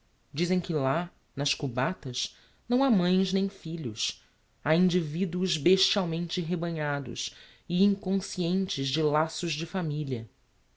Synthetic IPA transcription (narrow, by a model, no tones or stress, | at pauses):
d͡ʒizẽj̃kɪla | nɐʃkubat̪ɐʃ | nɐ̃w̃amɐ̃j̃znẽj̃fiʎʊʃ | aĩnd͡ʒivid̪uʊzbeʃt͡ʃiawmẽnt͡ʃɪɦebɐ̃ɲad̪ʊ̰ʃ | ɪĩŋkõsiẽnt͡ʃɪzd͡ʒɪlasʊʒd͡ʒɪfamiliɐ